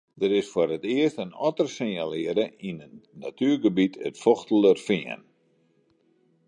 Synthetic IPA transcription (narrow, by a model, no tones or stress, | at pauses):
dəɾɪsfʊɾətɪəstənɔ̰tərsɪnjalɪəɾəinənːatʰyːrɡəbitʰə̰tfoxtələrfɪə̰n